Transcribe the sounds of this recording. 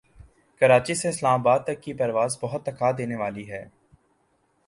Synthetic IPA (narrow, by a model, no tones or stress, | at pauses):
kəɾaːt͡ʃiseɪslaːmaːbaːd̪̚t̪ɐkːipɐɾʋaːzbɐɦʊt̪ːɐkʰaːd̪eːneʋaːliɦɛː